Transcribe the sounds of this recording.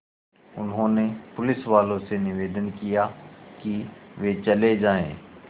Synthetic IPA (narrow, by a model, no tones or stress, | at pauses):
ʊnɦõnepʊlɪsʋaːlõsenɪʋeːd̪ənkijakiʋet͡ʃɐled͡ʒaːḛ̃ː